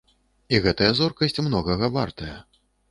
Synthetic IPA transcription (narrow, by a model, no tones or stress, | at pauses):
iɣɛt̪ɐjɐzɔrkɐsʲt͡sʲmnɔɣɐɣɐva̰rt̪ɐjɐ